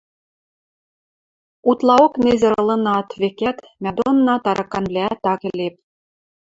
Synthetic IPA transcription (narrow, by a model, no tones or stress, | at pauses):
ut̪lˠɑoknʲezʲɘ̆ɾɤ̆lˠɤ̆nɑt̪vekʲæt̪ | mʲɑd̪onːɑt̪ɑɾʔɑkːɑnblʲæt̪ɑkɘ̆lʲep̚ʲ